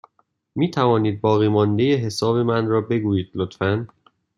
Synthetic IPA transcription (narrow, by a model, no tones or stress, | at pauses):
miːt̪ʰævɒːniːd̪̚bɒːɣiːmɒnd̪e̞jeɦe̞sɒːbe̞mænrɒːbe̞ɡuːjiːd̪̥lot̪fæn